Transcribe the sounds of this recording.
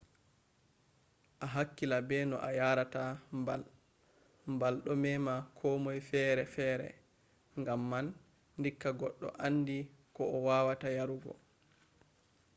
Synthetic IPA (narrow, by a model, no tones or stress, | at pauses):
ʔaɦakːilabɛnɔ̰ʔajaːɾatambal | mbalɗɔmɛmakʰɔmɔjfɛːɾɛfɛːɾɛ̰ | ŋɡamːanː | dikːaɡɔɗːɔ̰ʔanːdikɔɔwawatajaɾuɡɔ̰